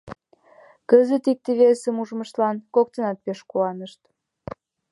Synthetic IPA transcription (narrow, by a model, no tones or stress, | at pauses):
kəzət̪ik̚t̪eβesemuʒməʃlɑnkok̚t̪ənɑt̪̚peʃkuɑnəʃt̪